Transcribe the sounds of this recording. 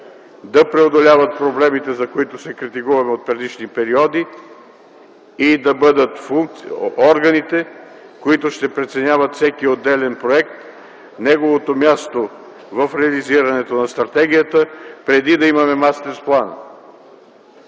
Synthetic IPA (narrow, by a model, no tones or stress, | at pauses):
d̪ɐpɾɛod̪olʲavɐt̪̚pɾoblɛmit̪ɛzɐkoit̪ʊsɛkɾit̪ikuvɐmɛot̪̚pɾɛd̪iʃnipɛɾiɔd̪i | id̪ɐbɤd̪ət̪fuŋk̪̚ɔɾɡɐnit̪ɛ | koit̪ʊʃt̪ɛpɾɛt̪sɛnʲjavət̪fsɛkiod̪ːɛlɛnpɾoɛk̚t̪ | nɛɡovot̪omʲjast̪o | vəfɾɛɐliziɾɐnɛt̪onɐst̪ɾɐt̪ɛɡ̟ʲijət̪əpɾɛd̪id̪ɐimɐmɛmast̪ɛɾsplˠanə̰